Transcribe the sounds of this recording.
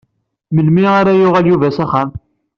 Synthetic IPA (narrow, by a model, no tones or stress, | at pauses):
məlmiʁaɾajʊʁæljuvæsæχæm